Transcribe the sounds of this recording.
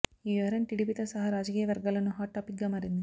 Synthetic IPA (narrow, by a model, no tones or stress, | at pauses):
iːɐɾɐnʈiɽipit̪ɐsɐɦɐɾaːd͡ʒɐkiːjɐʋɐɾɡɐlɐnːuɦaːʈːaːpik̚ɡɐmaːɾind̪i